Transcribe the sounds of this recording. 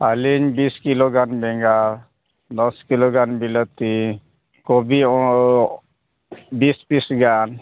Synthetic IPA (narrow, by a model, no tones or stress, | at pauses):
aliɲbiskiloɡanbɛŋɡa | nɔskiloɡanbilət̪i | kɔbiɔ | bisbisɡan